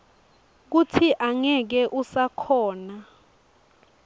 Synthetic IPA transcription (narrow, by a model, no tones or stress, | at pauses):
k̬utʰiʔaŋɛk̬ɛʔusakʰɔːna